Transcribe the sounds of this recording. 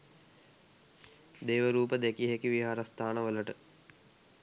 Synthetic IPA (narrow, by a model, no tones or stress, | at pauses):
d̪eːʋəɾuːpəd̪ekiɦekiʋiɦaːɾəst̪ʰaːnəʋələʈə